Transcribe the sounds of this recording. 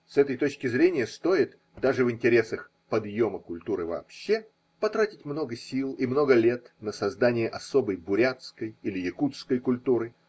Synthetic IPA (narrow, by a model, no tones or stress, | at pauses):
sɛt̪əjt̪o̞t͡ɕkʲɪzɾʲenʲɪjəst̪o̞ɪt̪ | d̪aʐɨvɨnʲtʲɪɾʲe̞səx | pɐd̪jo̞məkʊlʲt̪uɾɨvɐ̰ːpɕːe | pɐt̪ɾatʲɪtʲmno̞ɡəsʲilˠimno̞ɡəlʲe̞t̪nəsɐzd̪anʲɪjəʔɐso̞bəjbʊɾʲat̪skəjilʲɪjɪkut̪skəjkʊlʲt̪uɾɨ